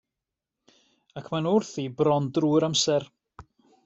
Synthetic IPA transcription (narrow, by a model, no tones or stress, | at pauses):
akʰmanʊrθibrɔndruːɪɾamsɛr